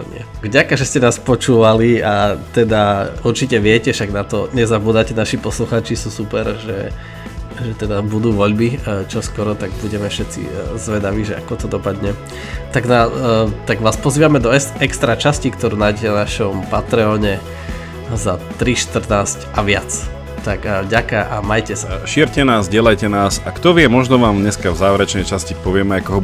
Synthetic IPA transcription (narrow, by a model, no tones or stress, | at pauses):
ɲɛ̰ | vɟakaʒɛscɛnaːspɔt͡ʃuːʋaliat̪ɛd̪auɾt͡ʃicɛʋɪɛcɛʃaɡnat̪ɔɲɛzabuːd̪acɛnaʃipɔsluxaːt͡ʃisuːsupɛɾʒɛ̰ | ʒɛt̪ɛd̪abud̪uːʋɔʎbit͡ʃɔskɔɾɔt̪aɡbuɟɛmɛfʃɛt̪t͡sḭzʋɛd̪aʋiʒɛa̰kɔt̪ɔd̪ɔpad̪ɲɛ | t̪aɡnat̪aɡʋaːspɔziːʋamɛd̪ɔɛkst̪ɾat͡ʃascikt̪ɔɾuːnajɟɛanaʃɔmpat̪ɾɛɔːɲɛ | zat̪ɾiʃt̪r̩naːscaʋɪa̰t͡s | t̪akʋɟakaʔamajcɛsaʃiɛɾcɛnaːzɟɛlajcɛnaːsakt̪ɔʋɪɛmɔʒnɔʋaːmɲɛskavzaːʋɾɛt͡ʃnɛjt͡ʃascipɔʋɪɛmɛakɔɦɔ